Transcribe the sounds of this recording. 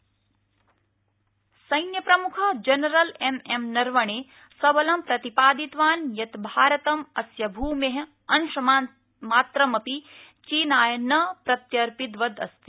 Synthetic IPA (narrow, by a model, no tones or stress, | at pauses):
sɐjnjɐpɾɐmukʰɐd͡ʒɐnɐɾɐlememnɐɾʋɐɳeː | sɐbɐlɐmpɾɐt̪ipaːd̪it̪ʋaːnjɐt̪bʱaːɾɐt̪ɐmɐsjɐbʱuːmeɦɐ | ɐnʃɐm | maːt̪ɾɐmɐpit͡ʃiːnaːjɐnɐpɾɐt̪jɐɾpid̪ʋɐd̪ɐ̰st̪i̥